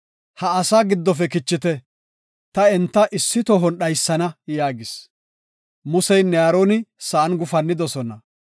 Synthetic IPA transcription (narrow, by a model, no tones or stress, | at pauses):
hɐːsaːɡɪd̪ːɔfɛkɪt͡ʃːɪt̪ɛ | t̪ɐɛnt̪ːɐʔɪsːɪt̪ɔɦɔnɗɐjsːɐnɐjaːɡɪs | mʊsɛjnɛaːɾoːnɪsɐʔɐnɡʊfɐnːɪd̪ɔsɔnɐ